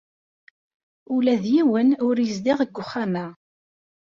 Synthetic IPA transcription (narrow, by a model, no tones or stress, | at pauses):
ulæðjiwənʊɾjəzd̪ɪʁəɡʷːʊχːanæ